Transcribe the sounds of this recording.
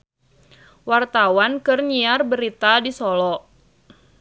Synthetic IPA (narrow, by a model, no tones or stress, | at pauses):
wart̪awankɨrɲiarbəɾit̪adisɔlɔ